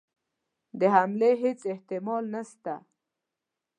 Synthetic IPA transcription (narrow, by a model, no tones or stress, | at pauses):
d̪əɦamleɦɪt͡sɪht̪ɪmɑlnast̪a̰